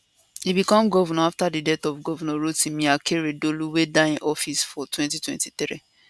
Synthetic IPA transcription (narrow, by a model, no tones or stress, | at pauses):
hibikɔ̃mɡɔvɔnɔaftadidɛtɔvɡɔvɔnɔɹotĩmĩakʰeɹedoluwedaĩnʔɔfisfɔtʰwɛ̃ntitwɛ̰̃ntiθɾi